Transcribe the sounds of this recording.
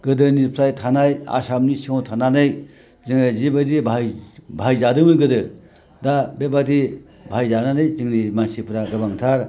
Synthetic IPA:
ɡ̥ɯdɯniɾpʰɾajtʰanaja̰samnisiŋawtʰananɯj | zɯŋɾazibadibʱajbʱajzadɯmɯɡɯdɯ | dabebadi | bʱajzananɯjzɯŋnimansipʰɾaɡɯbaŋtʰaɾ

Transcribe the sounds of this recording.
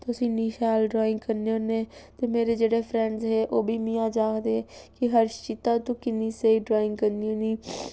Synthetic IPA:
t̪ʊsĩːniːʃaːlɖɾɔːɪ̃ŋɡkəɾneõːneːt̪eːmeːɾeːd͡ʒeːɽeːpʰɾɛ̃ːɳɖzɦeːʔoːbʱiːmĩːaːd͡ʒaːkd̪ekɪɦəɾʃt͡ʃit̪ãːt̪ũːkɪniːseiːɖɾaːɪ̃ŋɡkəɾniõːniː

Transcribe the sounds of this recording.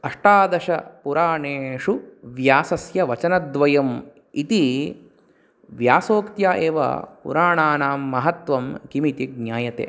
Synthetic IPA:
ɐʂʈaːd̪ɐʂɐpuɾaːɳeːʂuʋjaːsɐsjɐʋɐt͡ʃɐnɐd̪ʋɐjɐm | it̪i | ʋjaːsoːkt̪jaːʔeːʋɐ̰pṵɾaːɳaːnaːmːɐɦɐt̪ʋɐmkimit̪iɡ̚njaːjɐt̪ḛː

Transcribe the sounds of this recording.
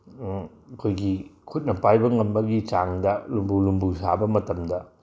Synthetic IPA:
ɐkʰojɡikʰut̚nɐpajbɐŋɐmbɐɡit͡ʃaŋdɐlumbulumbusa̰bɐmɐtɐmdɐ

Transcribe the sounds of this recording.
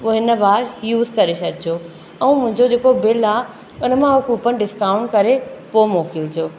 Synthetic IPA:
ʋoɦɪnəbaːɾjuːzkɐɾeʃɐɾd͡ʑoː | ɛ̃ũmʊ̃ɦɪ̃ɲd͡ʑod͡ʑeːkobɪlaː | ʊnə̆mãɦʊkuːpən̆ɖɪskaːʊ̃ɳʈ̚kɐɾepomoːkɪld͡ʑoː

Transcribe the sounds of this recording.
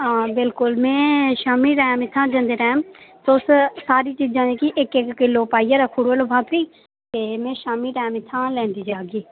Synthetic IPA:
ɦãːbɪlkʊlmɛ̃ːʃaːmiːɾɛːmɪt̪ʰːãːd͡ʒə̃nd̪eːɾɛːmsʊssaːɾiːt͡ʃiːd͡ʒãːẽːkɪʔɪkɪkːɪlːoːpaːiːjaːɾaːkʰʊɽoəloːbʱaːkiː | t̪eːmɛ̃ːʃaːmiːɾɛːmɪt̪ʰːãːlɛ̃ːnd̪iːd͡ʒaːɡiː

